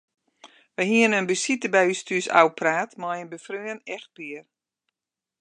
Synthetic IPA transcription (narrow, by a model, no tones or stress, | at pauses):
ʋəɦiənənbəsitəbɛjystyəsa̰wpʰraːtmɔjənbəfrøənɛxt̚piər